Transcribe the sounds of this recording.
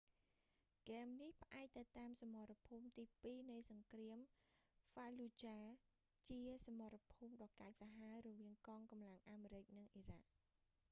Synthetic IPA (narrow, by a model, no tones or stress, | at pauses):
kɛmnihpə̆ʔaɛk̚t̪ɨwt̪aːmsamɑɾapʰuːmt̪iːpiːnɨjsɑŋkriəmfalut͡ɕaː | t͡ɕiəsamɑɾapʰuːmɗɑːkaɛc̚saɦaəɾɔʋiəŋkɑːŋkɑmlaŋʔaːmeːɾɨc̚nɨŋʔirak̚